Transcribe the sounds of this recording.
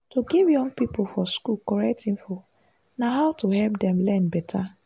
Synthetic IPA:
tuɡivjɔ̃ŋɡpipofɔskulkɔɹɛk̚tĩnfo | naɦaʊtuhɛlp̚dɛ̃mlɛnbɛtʰa

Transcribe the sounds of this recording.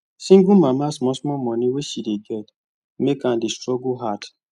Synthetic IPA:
sĩŋɡumãmasmɔsmɔmɔ̃niwesideɡɛd | mekãndistɹɔɡoɦat

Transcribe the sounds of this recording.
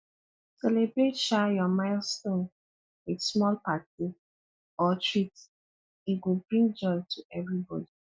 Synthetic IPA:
sɛlebɹetʃajɔmaɪlstõn | witsmɔlpati | ɔtɹit | iɡobɹĩŋɡd͡ʒɔɪtʰuʔɛvɹibɔ̰di

